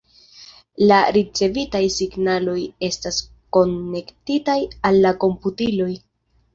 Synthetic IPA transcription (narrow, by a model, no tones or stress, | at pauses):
laɾit͡se̞vitajsiɡnalo̞je̞stas | ko̞nːe̞ktitajalːako̞mputilo̞j